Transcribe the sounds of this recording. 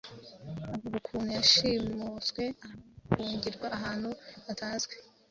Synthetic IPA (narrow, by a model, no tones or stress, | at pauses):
aβuɡukʰuːnujaʃiːmuzɡwe̞ahuːɲɟiɾɡwaʔːɦaːn̥huatʰaːnzɡwe